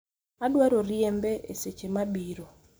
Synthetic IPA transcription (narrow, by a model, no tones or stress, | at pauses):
adwaɾoɾjembeʔeset͡ʃemabiɾo